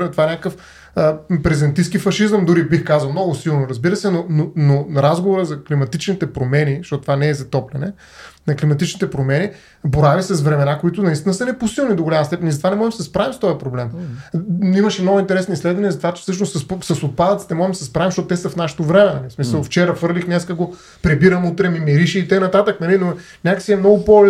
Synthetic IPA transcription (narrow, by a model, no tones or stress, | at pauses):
t̪vaɛnʲakəkəf | əpɾɛzɛnt̪iskifɐʃizəmd̪uɾibixkazɐlˠmnɔɡʊsilˠnʊɾɐzbiɾəsɛnononoɾazɡovoɾəzɐklimɐt̪it͡ʃnit̪ɛpɾomɛniʃt̪ɔt̪t̪ovanɛːzɐt̪ɔplʲɛnɛ | nɐklimɐt̪it͡ʃnit̪ɛpɾomɛni | boɾavisəsvɾɛmɛnakoit̪ʊnɐist̪inəsɐnɛposilˠnid̪oɡʊlʲamɐst̪ɛpɛnizt̪vanɛmɔʒɛmsɛspɾavimst̪ɔjɐpɾoblɛm | imɐʃɛmnɔɡʊint̪ɛɾɛsnislɛd̪vɐnijɛzɐt̪ovat̪ɛ̥sɤʃ̬nʊsɐspsɐsot̪̚pad̪ət̪sit̪ɛmɔʒɛmd̪ɐsɛspɾavimʃtɔt̪ʊt̪ɛsɐfnaʃɛ̥t̪ovɾɛmɛnɐlifsmisəlˠft͡ʃɛɾəfvɤɾlixnɛskəɡo | pɾɛbiɾəmut̪ɾɛmimiɾiʃɛit̪əknɐt̪at̪əknɐlino | nʲakəsiɛmnɔɡʊpo